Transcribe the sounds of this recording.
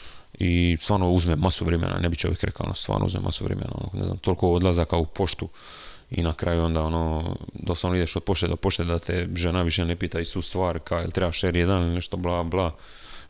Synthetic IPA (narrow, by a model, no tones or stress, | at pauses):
ist̪ʋaːɾnouzmemːasuʋɾemḛna̰nebiçt͡ʃoʋjekɾekaonost̪ʋa̰ːɾno̰ṵzmḛma̰suʋɾḛmena̰ono̰kneza̰mt̪o̞lkood̪lazakaupo̞ʃt̪u | ḭnakɾajuo̞nd̪aːo̞noːd̪osamnoid̪eʃod̪̚po̞ʃt̪ed̪opo̞ʃt̪ed̪at̪ʰeʒenaʋiʃenepiːt̪aist̪ust̪ʋaːɾkailt̪ɾebaʃeɾjed̪anilneʃt̪o̞blaːblaː